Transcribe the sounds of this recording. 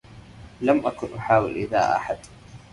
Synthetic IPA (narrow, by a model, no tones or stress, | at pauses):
lamʔakʊnʔʊħaːwɪlʔɪða̰ːʔa̰ħad̪